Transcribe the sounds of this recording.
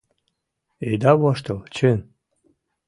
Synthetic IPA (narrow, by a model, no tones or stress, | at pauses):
ed̪ɑβɑʃt̪əlt͡ɕøn